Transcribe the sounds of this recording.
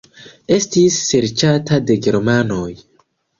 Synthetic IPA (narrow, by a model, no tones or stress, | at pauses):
e̞stisːe̞ɾt͡ʃatade̞ɡe̞ɾmano̞j